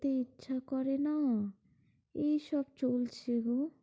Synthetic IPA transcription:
t̪eitːʃʰakɔɾena | eʃɔbt͡ɕolt͡ɕʰeɡo

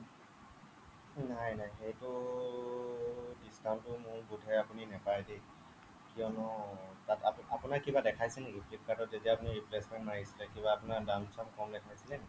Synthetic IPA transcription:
najnajxejtʊ | distʰantʊmʊ̃ɹbudʱɛjapuninɛpaɹade | kijɔnɔtatapapʊnakibadɛkʰajsɛnekipʰlip̚kadɔtzetiaːpuniɹiplesmɛntnaɦisilɛkibaːpʊnadamsamkɔmdɛkʰajsilɛnɛi

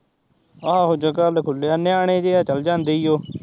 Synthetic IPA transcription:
əãːɦod͡ʒakəlkʰʊlːeːaːnɪaːɽ̃eːd͡ʒeːaːt͡ʃəld͡ʒãːnd̪eːiːoː

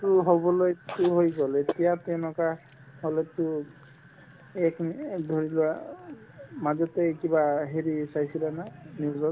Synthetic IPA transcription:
tʊɦobɔlojtʊɦojɡɔlet̪ijat̪ɛwnɔka | holɔtʊ | ɛkd̪ʱoɹilua | mazɔtekibaɦeɹisajsilananiɡɔ

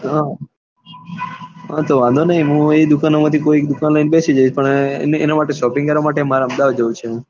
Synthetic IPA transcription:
ɦã | ɦãt̪oʋãnd̪ʱonəɦĩɦũed̪ukanomat̪ʰikoik̚d̪ukanlainbesid͡ʒait͡ʃʰpəɳnḛnamaʈeʃɔpĩŋkəɾʋamaʈemaɾaəmd̪aʋd͡ʒəʋũt͡ʃʰẽ

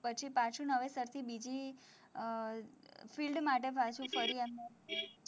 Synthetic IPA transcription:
pət͡ʃʰipãt͡ʃʰũnəʋesəɾt̪ʰibid͡ʒi | filɖmaʈ̬ebʱat͡ʃʰũfəɾiemne

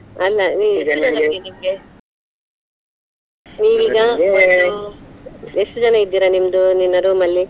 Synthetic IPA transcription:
ɐlːɐniːenɐaidimɡe | niːʋiɡa | esʈud͡ʒɐnaid̪ːiɾanimd̪uninːɐɾumɐlːi

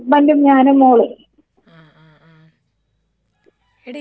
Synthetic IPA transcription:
mɐndumɲaːnumoːɭi

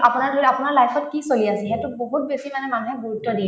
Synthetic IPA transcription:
apʊnaɹdʱoɹapʊnaɹlajpʰɔtkisoliasɛɦetuboɦut̚besimanɛmanuɦɛboɹutːɔdi

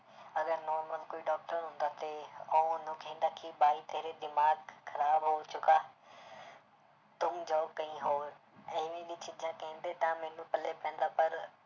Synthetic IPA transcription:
ɐɡəɾnɔːɾməlkoːiɖɔːk̚ʈəɾɦʊ̃ːnd̪at̪ʰeoːʊnə̃kʰeːnɐkʰibaːit̪ɐɦɾed̪ɪmaːɡxɐɾaːbɦot͡ɕʊkaː | t̪ʊmd͡ʑɔːɡ̚kɐ̃ĩɦoːɾ | ɐ̃ɦʋĩbit͡ɕɪd͡ʑãkɐɪ̃nd̪et̪ɐ̃mɐ̃ɦnũpɐlepɐɦə̃nd̪apɐɾ

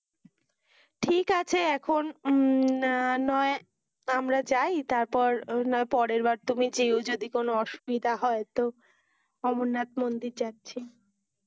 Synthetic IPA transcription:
ʈʰikat͡ɕʰeɛkʰon | anɔe | amɾad͡ʑajt̪aɾpɔɾnɔepɔɾeɾbaɾt̪umid͡ʑeod͡ʑod̪ikonoɔʃu̥bid̪ʱaɦɔet̪o | ɔmonːat̪̚mond̪iɾt͡ɕatːɕʰi

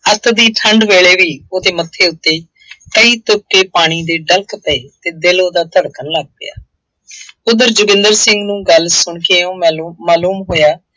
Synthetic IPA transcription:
ət̪ʰd̪iːʈʰəɳɖʋeːɭeːʋiːoːd̪eːmət̪ʰːeːʊt̪ːeː | kəiːt̪ʊp̚keːpaːɽ̃iːd̪eːɖəlkpəeːt̪eːd̪ɪloːd̪aːt̪əɽkənləɡ̚pɪ̰ja̰ː | pʊd̪əɾd͡ʒʊɡɪ̃nd̪əɾsɪ̃ŋɡnũːɡəlsʊɳkeːõːmaːluːmɦoːjaː

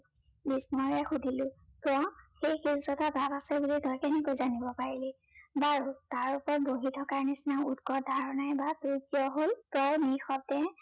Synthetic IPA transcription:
bismɔɹɛxudʱilʊ̃ | pɹɔ̃xejxilsɔtatapasɛbulitɔjkɛnɛkojzanibɔpaɹilɛ | baɹutaɹupɔɹt̚boɦitʰɔkaɹnisinaʊutkɔdʱaɹɔnajbatujkijɔɦolpɹɔjnixɔb̚tɛ

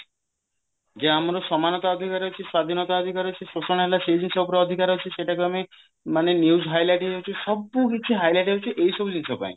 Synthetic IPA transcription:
d͡ʒeamɾosɔmanɔt̪aɔd̪ʱikaɾɦot͡ʃʰiswad̪ʱinɔt̪aɔd̪ʱikaɾɦot͡ʃʰisosɔɽ̃ɦelasejd͡ʒinsaupɔɾeɔd̪ʱikaɾɦot͡ʃʰiʃeʈakeame | manenuwzɦajlajʈɦeɦot͡ʃʰiʃɔbukit͡ʃʰiɦajlajʈɦot͡ʃʰiʔejʃɔbud͡ʒinsapa̰j

